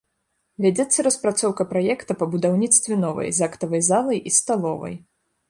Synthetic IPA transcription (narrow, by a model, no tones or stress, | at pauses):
vʲad͡zʲɛt̪sːɐɾɐspɾat̪sɔwkɐpɾajɛkt̪ɐpɐbud̪awnʲit̪st̪vʲɛnɔvɐ̰jzakt̪ɐvɐjzalˠɐjʔist̪alˠɔvɐ̰j